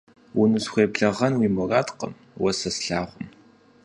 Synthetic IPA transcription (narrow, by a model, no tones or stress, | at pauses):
wʊnɨsxʷeːpɮɐʁɐnwiːmɔraːtqə̰m | wɐsɐsɬaːʁʷʊm